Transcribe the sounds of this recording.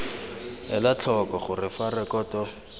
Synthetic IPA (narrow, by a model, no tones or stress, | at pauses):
ɛ̰lat͡ɬʰɔkɔχʊrɪfarɛkɔtɔ